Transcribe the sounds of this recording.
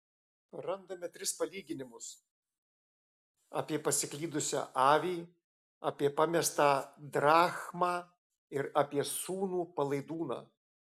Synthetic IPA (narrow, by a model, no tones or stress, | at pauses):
ɾɐnd̪ɐmʲɛt̪ʲɾʲɪspɐlʲiːɡʲɪnʲɪmʊs | a̰ːpʲiɛpɐsʲɪklʲiːd̪ʊsʲa̰ːʔɑːʋʲiː | ɐːpʲiɛpɑmʲɛst̪ɑːd̪ɾɑːxmɑː | ɪɾaːpʲiɛsuːnuːpɐlˠɐɪd̪uːnɑ̰ː